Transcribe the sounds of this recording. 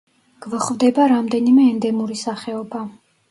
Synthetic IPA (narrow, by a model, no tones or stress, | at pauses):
ɡ̥vχvd̪ɛbaɾamd̪ɛnimɛːnd̪ɛmuɾisaχɛɔba